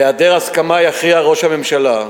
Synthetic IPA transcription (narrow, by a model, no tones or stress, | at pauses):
eadeʁaskamajaχiaʁo̞ʃhame̞mʃala